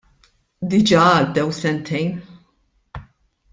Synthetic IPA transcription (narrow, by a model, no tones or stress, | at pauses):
d̪ɪd͡ʒɐːɐd̪ːɛwsɛnt̪ʰɛjn